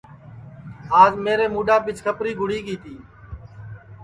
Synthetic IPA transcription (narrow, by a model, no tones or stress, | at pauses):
aːzmeːɾeːmuːɖaːpɪt͡ʃkʰəpɾiːɡʱʊɽ̤iːɠiːt̪ʰiː